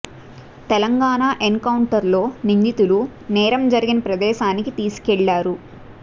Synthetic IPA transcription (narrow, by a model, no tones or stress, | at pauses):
t̪ɛlɐŋɡaːnaːʔeŋkɐwuɳʈɐɾlo̞ːnind̪it̪ulunɛːɾɐmd͡ʒɐɾiɡinɐpɾɐd̪ɛːʃaːnikit̪iːsu̥kɛɭːaːɾu